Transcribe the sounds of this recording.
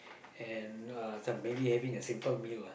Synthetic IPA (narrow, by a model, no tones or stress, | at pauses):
ɛ̃nʌsãmmebihɛvɪ̃ŋɨsɪ̃mpəlˠmil